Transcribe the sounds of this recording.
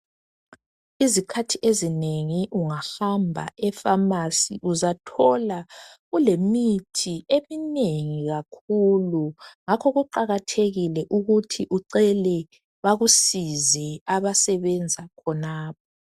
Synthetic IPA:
izikʰatʰiʔezineŋiʔuŋahambʱa̰ɛfamasḭʔuzatʰɔlaɣulemitʰiemineŋiɣakʰuluŋakʰɔɣuǃaɣatʰeɣilɛʔuɣutʰiʔuǀɛlɛ | βaɣusizɛaβasɛβɛnd͡zʱakʰɔnaːp̚ɔ

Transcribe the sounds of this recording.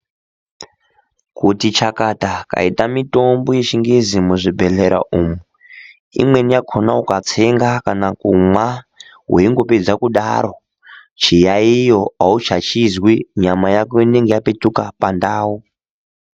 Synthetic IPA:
kutit͡ʃakataka̰itamito̞mboje̞t͡ʃiŋɡezimuʐibʱe̞ɮeɾa̰ʔumu | ḭmwe̞nijakʰonaukat͡se̞ŋɡakanakumwa | weiŋɡo̞ped͡zakuɗa̰ɾo̞ | t͡ʃijaijo̞aut͡ʃat͡ʃizwiɲamajakoine̞ŋɡejapetukapandaːwu

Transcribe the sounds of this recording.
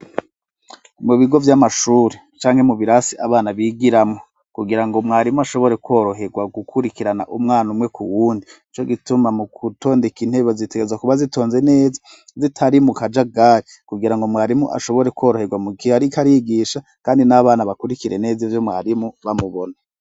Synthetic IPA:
imŋoβiɡo̞vjamaʃuːɾe | t͡ʃaːŋ̥he̞muβiɾasiʔaβaːnaβiːɡiɾamŋo | kuɡiɾaŋɡo̞mŋaːɾimuaʃo̞βo̞ɾe̞kwo̞ːɾo̞ɦe̞ɡwaɡukʰuɾikiɾana̰ʔumŋaːnumŋe̞kʰuwuːndiit͡ʃo̞ɡitumamuɡuto̞ːndekin̥he̞ːβozite̞ɡezwakuβazito̞ːnze̞ne̞ːza | zitʰaɾimukad͡ʒaɡaːɾi | kuɡiɾaŋɡo̞mwaːɾimuʔa̰ʃo̞βo̞ɾe̞ko̞ːɾo̞he̞ɡwamukiaɾikaɾiɡiʃa | kaːndinaβaːnaβakuɾikiɾene̞ːzivjo̞mŋa̰ːɾimuβamuβo̞na

